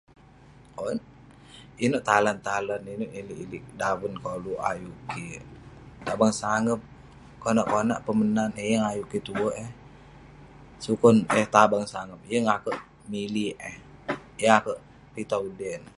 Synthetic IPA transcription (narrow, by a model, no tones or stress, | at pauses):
on | inoʔt̪alant̪alaninoʔiliʔiliʔdawənkoluʔa̰juki | t̪abaŋsaŋəp̚ | konaʔkona̰ʔpəmənanejəŋajukit̪uwoʔɛh | sukɔnəht̪abaŋsaŋəp̚jəŋakəʔ | miliʔəh | jəŋakəʔ | pit̪audɛn